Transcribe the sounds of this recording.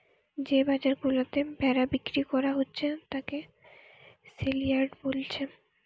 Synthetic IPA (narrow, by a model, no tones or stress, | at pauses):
d͡ʑebad͡ʑaɾɡulot̪ebɛɾabikɾikɔɾaɦotːɕʰet̪ake | silijaɾɖbolt͡ɕʰe